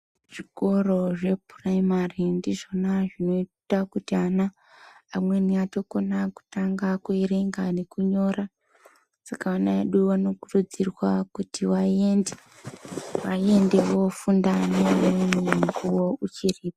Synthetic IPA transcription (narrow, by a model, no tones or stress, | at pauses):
ʐ̥iko̞ro̞ʐe̞praimarindiʐo̞naʐino̞itakutianaː | mwe̞niato̞ko̞naku̥taŋɡakuiɾeŋɡane̞kuɲo̞ra | sakaanaḛɗuʋano̞kurud͡zirwakutiwae̞nde | ʋae̞nde̞wo̞fundanemmuɡuwo̞ut͡ʃiriːpḁ